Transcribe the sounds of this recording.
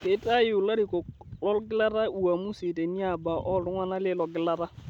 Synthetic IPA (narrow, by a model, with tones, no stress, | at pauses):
ke˦ta˦ju˨la˦ɾi˨kɔ˨klɔ˦lɡɪ˦la˦ɾa˦u˨a˨mu˦si˨te˨ni˦a˨ba˨ʔɔ˦˨ɾu˦ŋa˦na˦le˦lɔ˨ɡɪ˦la˦ɾa˦